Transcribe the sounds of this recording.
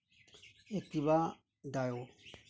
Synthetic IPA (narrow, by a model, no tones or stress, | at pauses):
etiβa | dajo